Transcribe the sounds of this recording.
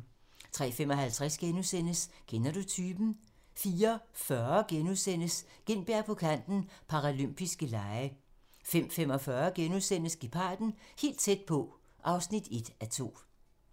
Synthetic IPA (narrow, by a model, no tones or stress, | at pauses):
t͡sʰʁɛ̰ːfem̰ɒ̽hælt͡sʰʁasɡ̥enusen̰əsɡ̥enɐdo̝t͡sʰyːb̥n̩ | fiːɐfɶɐɡ̥enuðˠsen̰əsɡ̥enb̥eɐpʰɒ̽kʰæn̰d̥n̩pʰɑ̈ʁalym̰b̥isɡ̥əlɑ̈ɪə | fem̰fem̰ɒ̽fɶɐɡ̥enuðˠsen̰əsɡ̥ipʰɑ̈ːd̥n̩he̝̰ːld̥̚t͡sʰed̥̚pʰɒ̽ | ʔɑ̈ʊsnid̥e̝d̥æt͡sʰo̝̰ː